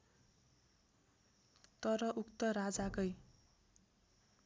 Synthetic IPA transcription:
t̪ʌɾʌʔukt̪ʌɾad͡zakʌj

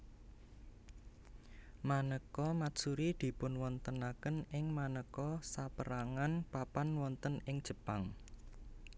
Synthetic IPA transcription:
manəkɔmḁsuɾid̪̥i̤pʊnwɔnt̪ənakənɪŋmanəkɔsapəɾaŋanpapanwɔnt̪ənɪŋd̥ʒ̥ə̤paŋ

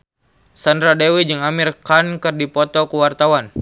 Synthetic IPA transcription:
sandɾadewid͡ʒɨŋamirkankɨrdipɔt̪ɔkuwart̪awan

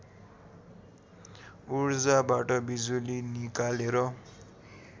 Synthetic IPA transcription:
urd͡zabaʈʌbid͡zulinikaleɾʌ

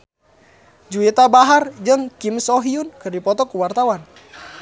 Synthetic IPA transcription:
d͡ʒuit̪abaɦard͡ʒɨŋkimsɔɦiunkɨrdipɔt̪ɔkuwart̪awan

